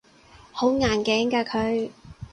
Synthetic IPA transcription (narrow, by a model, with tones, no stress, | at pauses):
ho˨˥wŋaː˨˩nkɛː˨˥ŋkaː˧kʰɵ˨˧ɥ